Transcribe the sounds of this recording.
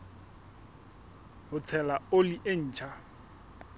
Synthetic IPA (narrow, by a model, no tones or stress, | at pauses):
ɦʊt͡sʰɛlaoliʔen̩ːt͡ʃʰa